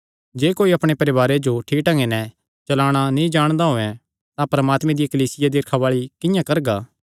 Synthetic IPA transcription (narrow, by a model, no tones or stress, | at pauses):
d͡ʒeːkoːiɐpɽ̃epɐɾɪʋaːɾed͡ʒoʈʰiːʈɐ̃ŋɡenɛ̃ | t͡ʃɐlaːɽ̃anĩd͡ʒaːɽ̃d̪aɦoːɛ̃ | t̪ãpɾɐmaːt̪mɛ̃d̪ɪjakɐliːsɪjad̪iɾkʰaʋaːɭikɪ̃jãkɐɾɡaː